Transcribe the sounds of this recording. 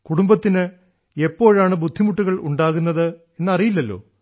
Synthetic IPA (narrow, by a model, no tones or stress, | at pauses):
kuɽumbɐt̪ːinɨ | e̞pːo̞ːɻaːɳɨbud̪ʱːimuʈːuɣɐɭṵɳɖaːɣunːɐðɨ | e̞nːɐrijilːɐlːo̞̰ː